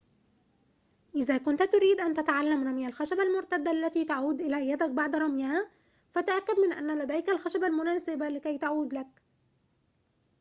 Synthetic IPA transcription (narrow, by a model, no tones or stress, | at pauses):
ʔɪðaːkʊnt̪t̪ʊɾiːd̪ʔant̪at̪aʕalːamɾˤɑmjalxaʃabalmʊɾt̪ad̪ːaʔlːæt̪iːt̪aʕuːd̪ʔɪlæjːad̪ak̚baʕd̪ɾˤɑmjaha | fæt̪aʔakːad̪mɪnʔa̰nːalad̪æjkalxaʃabalmʊnæːsɪbalɪkæjt̪aʕuːd̪lak̚